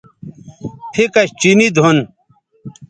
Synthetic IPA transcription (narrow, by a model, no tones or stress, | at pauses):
pʰikɐɕt͡ɕinid̪ʱun